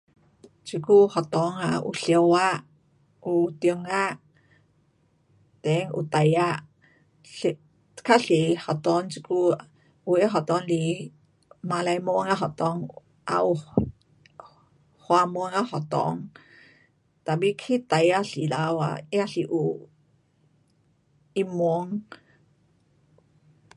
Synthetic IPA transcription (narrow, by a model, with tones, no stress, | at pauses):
t͡ʃi˧ku˦ho˨t̪o˧ŋa˧ṵ˧ɬjo˧wa˦ | u˧t̪jo˧ŋa˦ʔ | t̪e˨˦ŋṵ˧t̪a˧ja˦ | t̪kʰa˦ɬi˨ha˨t̪o˧ŋt͡ʃi˧ku˦ | u˧e˦ɦo˨t̪ɔ˧nli˧ | ma˧la˧jmo˧˦ŋa˦ɦɔ˨t̪ɔ˧˦ŋ | ʔa̰˧ʔu˧ | hwa˧mu˧˦ŋa˦hɔ˨t̪ɔ̰˧˨ŋ | t̪a˨bi˧kʰi˦t̪a˨ja˦ɬi˨la˧wa̰˧i˦a˧ɬi˧ʔu˨ | i˧mu˧˦ŋ